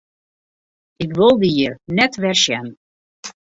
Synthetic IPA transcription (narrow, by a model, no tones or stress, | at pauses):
ɪkʋɪlˠdiiəɹnɛtʋɛrʃɛn